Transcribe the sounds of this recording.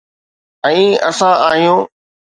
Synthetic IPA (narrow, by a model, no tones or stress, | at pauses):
ɛ̃ːəsãʔaːɦijõː